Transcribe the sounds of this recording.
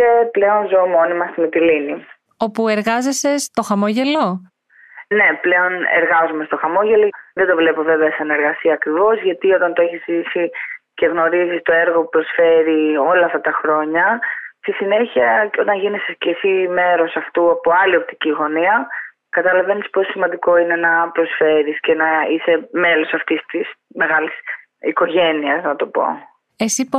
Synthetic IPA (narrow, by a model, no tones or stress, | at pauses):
eple̞o̞nzomo̞nimɐst̪imet̪ilini | o̞pue̞ɾɣɐze̞se̞st̪o̞xɐmoʝe̞lo̞ | ne̞ple̞o̞nḛɾɣɐzume̞st̪o̞xɐmo̞ʝe̞lo̞ðed̪o̞vle̞po̞ve̞veɐsɐne̞ɾɣɐsiɐːkɾivo̞zʝɐt̪io̞t̪ɐnt̪oeçisisice̞ɣno̞ɾizist̪o̞e̞ɾɣo̞pupɾo̞sfe̞ɾio̞lɐːft̪ɐt̪ɐxɾo̞ɲɐst̪isine̞çiɐco̞t̪ɐɲʝinesescesime̞ɾosɐft̪uɐpo̞ɐlio̞p̚t̪i̥ciɣo̞niɐ | kɐt̪ɐlɐve̞nispo̞ssimɐnd̪iko̞ine̞nɐpɾo̞sfe̞ɾisce̞nɐise̞me̞lo̞sɐft̪ist̪isme̞ɣɐlis | iko̞ʝe̞niɐznɐt̪o̞po̞̰ | esi